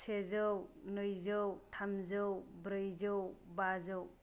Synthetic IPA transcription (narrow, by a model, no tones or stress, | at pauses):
sʰezɯwnɯjzɯwtʰamzɯwbɾɯjzɯwbazɯw